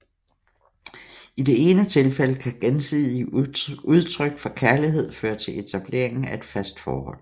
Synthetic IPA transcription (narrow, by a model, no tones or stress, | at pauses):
id̥e̝e̝ːnət͡sʰe̝lfeləkʰæɡ̥ensið̰ˠiuð̞ˠt͡sʰʁœɡ̥fɒ̽kʰæɐliɦe̝ð̞̰ˠføːɐt͡sʰe̝le̝t͡sʰæb̥le̝̰ɐ̰eŋn̩æe̝d̥fæsd̥fɒ̰ːhɒ̽l̰